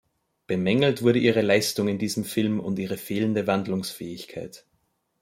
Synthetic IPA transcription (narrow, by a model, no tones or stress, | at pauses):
b̥əmɛŋl̩tv̥ʊɐɾəʔiːʁəlaɪstʊŋɪndiːzəmfɪlmʊ̰ntiːʁ̞əfeːləndəvandlʊŋsfɛːɪçkʰaɪt